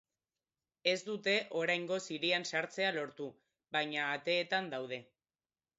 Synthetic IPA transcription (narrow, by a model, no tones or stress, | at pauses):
e̞zd̪ut̪e̞ʔo̞ɾajŋɡo̞siɾiansaɾt͡se̞alo̞ɾt̪u | βajɲaːt̪e̞ːt̪and̪awð̞e̞